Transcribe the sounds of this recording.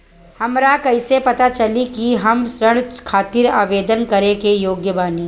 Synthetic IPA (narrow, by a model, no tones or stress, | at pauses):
hɐmɾakɐɪsepɐt̪at͡ʃɐlikiɦɐmsɾəɽ̃kʰaːt̪ɪɾaːʋeːd̪ənkɐɾẽkejoːɡjəʋaːni